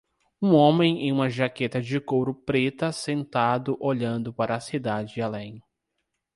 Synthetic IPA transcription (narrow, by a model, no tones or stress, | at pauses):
ũõmẽj̃ẽj̃ũmɐʒaket̪ɐd͡ʒɪkowɾʊpɾet̪ɐsẽnt̪ad̪ʊʔoʎɐ̃nd̪ʊpaɾɐːsid̪ad͡ʒɪalẽj̃